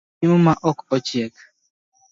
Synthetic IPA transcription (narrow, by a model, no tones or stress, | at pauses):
imumaʔɔkɔt͡ʃiɛk